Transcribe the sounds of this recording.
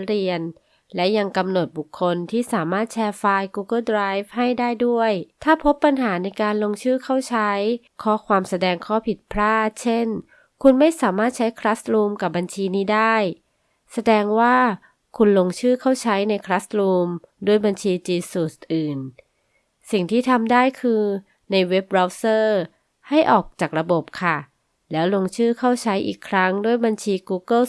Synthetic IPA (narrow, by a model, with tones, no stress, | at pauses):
ɾi˧ən | lɛ˦˥ja˧ŋka˧mno˨˩t̪̚bu˨˩kʰːo˧nt̪ʰiː˥˩saː˩˦maː˥˩t̪̚t͡ɕʰɛː˧faː˧jkuː˧kɤ˥˩dɾaː˦˥jf̚ha˥˩jdaː˥˩jdu˥˩əjt̪ʰaː˥˩pʰo˦˥pːa˧nɦaː˩˦na˧jkaː˧nlo˧ŋt͡ɕʰɯː˥˩kʰa˥˩wt͡ɕʰa˦˥j | kʰɔː˦˥˩kʰwaː˧msa˧dɛː˧ŋkʰɔː˥˩pʰi˨˩t̪̚pʰɾaː˥˩t̪̚t͡ɕʰe˥˩n | kʰu˧nma˥˩jsaː˩˦maː˥˩t̪̚t͡ɕʰa˦˥jkʰɾa˦˥sɾuː˧mka˨˩p̚ba˧nt͡ɕʰiː˧niː˦˥˩daː˥˩j | sa˧dɛː˧ŋwaː˥˩ | kʰu˧nlo˧ŋt͡ɕʰɯː˥˩kʰa˥˩wt͡ɕʰa˦˥jna˧jkʰɾaː˦˥sɾuː˧mdu˥˩əjba˧nt͡ɕʰiː˧t͡ɕiː˧suː˨˩ʔɯː˨˩n | si˨˩ŋt̪ʰiː˥˩t̪ʰa˧mdaː˥˩jkʰɯː˧ | na˧jwe˦˥p̚ɾa˦˥wsɤː˥˩ | ha˥˩jʔɔː˨˩k̚t͡ɕaː˨˩k̚ɾa˧bo˨˩p̚kʰa˥˩ | lɛː˦˥wlo˧ŋt͡ɕʰɯː˥˩kʰa˥˩wt͡ɕʰa˦˥jʔḭː˨˩kʰɾa˦˥ŋdu˥˩əjba˧nt͡ɕʰiː˧kuː˧kɤ˥˩